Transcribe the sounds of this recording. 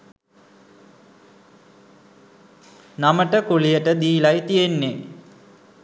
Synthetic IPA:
naməʈəkulijəʈəd̪iːlajt̪ijenːe

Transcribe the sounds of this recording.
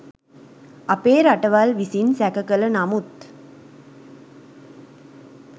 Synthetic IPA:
ɐpeːɾɐʈːɐʋaːlʋisinsækɐkɐlɐnɐmut̪

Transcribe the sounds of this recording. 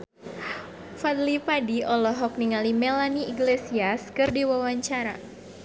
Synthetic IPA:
fad̪lipadiʔɔlɔɦɔk̚niŋalimelaniiɡlesiaskɨrdiwawaɲt͡ʃaɾa

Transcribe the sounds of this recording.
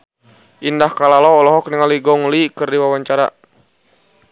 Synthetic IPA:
ʔindahkalalɔːlɔɦɔk̚niŋaliɡɔŋlikɨrdiwawaɲt͡ʃaɾa̰

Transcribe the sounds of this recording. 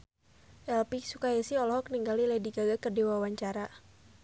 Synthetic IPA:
ʔɛlpiksukaɛsiɔlhɔk̚niŋɡalilɛdiɡaɡakərdiwawaɲt͡ʃaɾa

